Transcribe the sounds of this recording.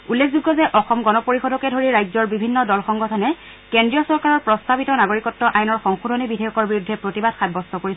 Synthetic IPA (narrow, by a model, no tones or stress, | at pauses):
ulːekʰzuɡːɔzɛʔɔxɔmɡɔnɔpoɹixɔdɔkɛdʱoɹiɹajzɔɹbibʱinːɔdɔlxɔŋɡɔtʰɔnɛ | kendɹijɔsɔɹkaɹɔɹpɹɔstabitɔnaɡoɹikɔtːɔʔajnɔɹxɔŋxudʱɔnibidʱejɔkɔɹbiɹudʱːɛpɹotibad̥xabɔstɔkoɹisɛ